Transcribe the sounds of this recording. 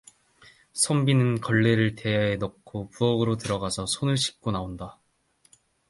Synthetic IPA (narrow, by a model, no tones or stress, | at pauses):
sʰʌmbinɯnkʌɭːe̞ɾɯɭte̞aenʌkk̚ʰopuʌɡɯɾotɯɾʌɡasʰʌsʰonɯɭɕʰi̥k̚k͈onaonda